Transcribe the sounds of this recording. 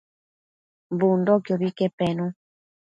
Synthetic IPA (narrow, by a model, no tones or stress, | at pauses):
mbundɔkjɔβikɛpɛnu